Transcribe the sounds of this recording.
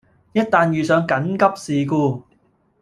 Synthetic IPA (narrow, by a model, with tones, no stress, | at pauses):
jɐ˥t̚t̪aː˨˧njyː˨sœː˨˧ŋkɐ˨˥nkɐ˥p̚siː˨kuː˧